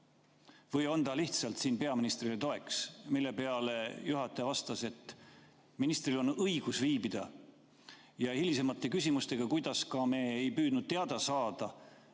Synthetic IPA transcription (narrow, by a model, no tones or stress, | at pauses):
vɤjo̞nt̪ɑliht̪sɑlt̪siːnpe̞ɑminist̪rilet̪o̞e̞ksmilːe̞peɑlejuɦɑt̪ːˑeɑvɑst̪ɑse̞t̪ːˑ | minist̪rilo̞nɤjɡ̥usviːbid̪̥ɑ | jɑhilʲise̞mɑt̪ːˑe̞kysʲimust̪e̞ɡ̥ɑkujd̪̥ɑskɑme̞ːjpyːd̪nud̪̥̚t̪eɑd̪̥ɑsɑːd̪̥ɑ